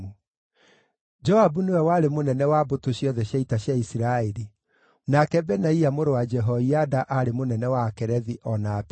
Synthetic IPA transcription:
u | d͡ʒɔhabunewɛwaɾemonɛnɛwabotoɕjɔðɛɕjaitaɕjaisiɾaeɾi | nakɛbɛnaiamoɾowad͡ʒɛɦɔiadaʔaɾemonɛnɛwakɛɾɛðiʔɔnap

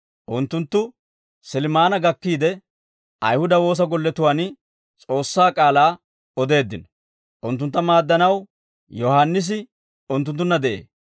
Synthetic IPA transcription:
ʔʊnt̪ːʊnt̪ːʊ | sɪlɪmaːnɐɡɐkːiːd̪ɛ | ʔɐjhʊd̪ɐwo̞ːs̬ɐɡɔlːɛt̪ʊwaːn | t͡sʼo̞ːsːaːkʼaːlaː | ɔd̪e̞ːd̪ːɪnɔ | ʔʊnt̪ːʊnt̪ːɐmaːd̪ːɐnɐw | jɔhanːɪs̬ɪ | ʊnt̪̬ːʊnt̪̬ːʊnːɐd̪ɛʔḛː

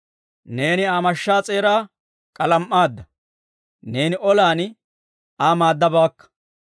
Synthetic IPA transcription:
ne̞ːnɪaːmɐʃːaːt͡sʼe̞ːɾaː | kʼɐlɐmʔːaːd̪ːɐ | ne̞ːnɪʔɔlaːn | aːmaːd̪ːɐbaːkːɐ̥

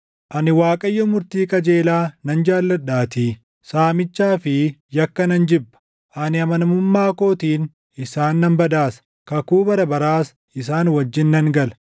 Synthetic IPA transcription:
ʔɐnɪwaːkʼɐjːɔmʊɾt̪iːkʼɐd͡ʒe̞ːlaːnɐnd͡ʒaːlːɐᶑaːt̪iː | saːmɪt͡ʃːaːfɪjɐkːɐnɐnd͡ʒɪbːɐ̥ | ʔɐnɪɐmɐnɐmʊmːaːko̞ːt̪iːn | ɪsaːnːɐmbɐd̪aːsɐ̥ | kɐkuːbɐɾɐbɐɾaːs | ɪs̬aːnwɐd͡ʒːɪnːɐŋɡɐl

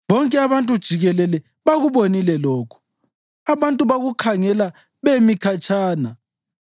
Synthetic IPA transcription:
βɔŋkʼɛaβantʼud̥ʒ̥ʱiɣɛlɛlɛ | βaɣuβonilɛlɔːkʰu̥ | aβantʼuβaɣukʰaŋɛla | βemikʰat͡ʃʼʰaːna

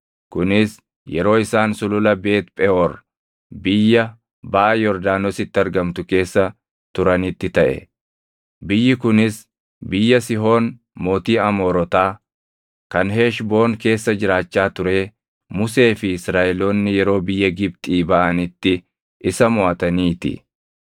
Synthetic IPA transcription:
kʊnɪs | jɛɾo̞ːɪsaːnsʊlʊlɐbe̞ːt̪̚pʼɛɔr | bɪjːɐ | baʔɐjɔɾd̪aːnɔsɪt̪ːɪɐɾɡɐmt̪ʊke̞ːsːɐ | t̪ʊɾɐnɪt̪ːɪt̪ɐʔɛ̰ | bɪjːɪkʊnɪs | bɪjːɐsɪɦo̞ːn | mo̞ːt̪iːɐmo̞ːɾɔt̪aː | kɐnɦeːʃbo̞ːŋke̞ːsːɐd͡ʒɪɾaːt͡ʃːaːt̪ʊɾe̞ː | mʊse̞ːfɪɪsɾaːʔɛlo̞ːnːɪjɛɾo̞ːbɪjːɐɡɪb̚t̪ʼiːbɐʔɐnɪt̪ːɪ | ʔɪsɐmʊʔɐt̪ɐniːt̪ɪ̰

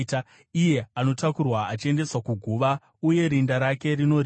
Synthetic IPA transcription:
ije̞ano̞takurwaat͡ʃie̞nde̞swakuɡʱuʋa | uje̞ɾindaɾake̞ɾino̞r

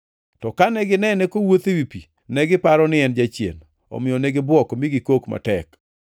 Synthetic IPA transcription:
tɔkanɛɡɪnɛnɛkowot̪ewipi | nɛɡɪpaɾɔnɪɛnd͡ʒat͡ʃjḛn | ɔ̰mɪjɔneɡɪbwɔkmiɡɪkokma̰tɛk

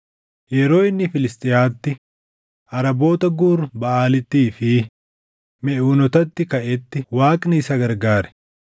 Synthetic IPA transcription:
jɛɾo̞ːɪnːɪfɪlɪst̪ʼɪjaːt̪ːɪ | ʔɐɾɐbo̞ːt̪ɐɡuːɾbɐʔaːlɪt̪ːiːfɪ | mɛʔuːnɔt̪ɐt̪ːɪkɐʔɛt̪ːɪwaːkʼnɪsɐɡɐɾɡaːɾɛ̥

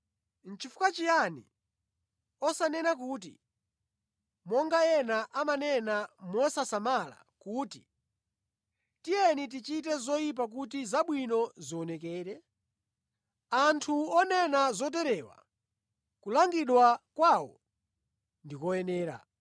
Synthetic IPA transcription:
n̩t͡ʃifu̥kat͡ʃijanḭ | ɔsanɛnakuːt̬ḭ | mɔŋɡajɛnaʔamanɛnamɔsasamala̰ | kuːti̥ | tijɛnit̬it͡ʃit̬ɛzɔjip̬ak̬ut̬izaɓwinɔziɔnɛkɛːɾɛ | antʰuɔnɛnazɔt̬ɛɾɛːwa̰ | kulaŋɡiɗwakwawɔ̰ | ndikɔjɛnɛːɾa̰

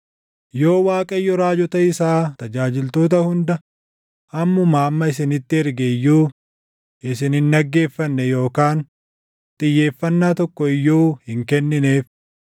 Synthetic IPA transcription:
jo̞ːwaːkʼɐjːɔɾaːd͡ʒɔt̪ɐɪsaːt̪ɐd͡ʒaːd͡ʒɪlt̪o̞ːt̪̬ɐhʊnd̪ɐ | ʔɐmːʊmaːmːɐɪsɪnɪt̪ːɪɛɾɡɛjːuː | ʔɪs̬ɪnhɪnːɐɡːe̞ːfːɐnːɛjo̞ːkaːn | t̪ʼɪjːe̞ːfːɐnːaːt̪ɔkːɔɪjːuːhɪŋkɛnːɪne̞ːf

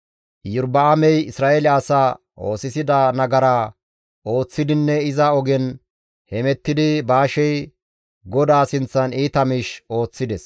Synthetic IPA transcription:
jʊɾbɐɐmɛjɪsɾaːʔɛlɪɐsaː | ʔo̞̰ːsɪsɪd̪ɐnɐɡɐɾaː | ʔo̞ːt͡sːɪd̪ɪnːɛɪzɐɔɡɛn | hɛmɛt̪ːɪd̪ɪbaːʃɛj | ɡɔd̪aːsɪnt͡sːɐniːt̪ɐmɪʃo̞ːt͡sːɪd̪ɛs

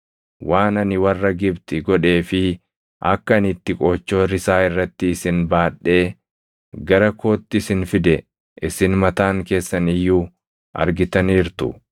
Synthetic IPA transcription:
wʔaːnɐnɪwɐrːɐɡɪbt̪ɪɡɔᶑe̞ːfɪ | ʔɐ̰kːɐɐnɪt̪ːɪkʼoːt͡ʃːo̞ːɾɪsaːɪrːɐt̪ːɪːsɪnbaːɗːe̞ː | ɡɐɾɐkʰo̞ːt̪ːɪsɪnfɪd̪ɛ | ʔɪsɪnmɐt̪aːŋke̞ːsːɐnɪjːuː | ʔɐ̰ɾɡɪt̪ɐniːɾt̪ʊ̰

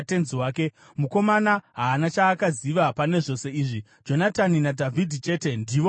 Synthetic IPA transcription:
te̞nziwaːke̞ | muko̞manaɦaːnat͡ʃaːkaziʋapane̞ʐo̞se̞iːʐi | d͡ʒo̞nataninadʱavʱidʱit͡ʃe̞ːte̞ndiːʋo̞

